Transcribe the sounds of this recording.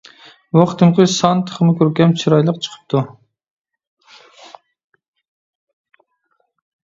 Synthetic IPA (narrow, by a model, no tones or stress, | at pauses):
wɑχt̪ʰɨmqʰəsɑnt̪ʰə̥χəmʊkʲʰøɾkʲɛmt͡ʃʰiɾɑjlˠəqt͡ʃʰə̥qʰə̥p̚t̪ʰu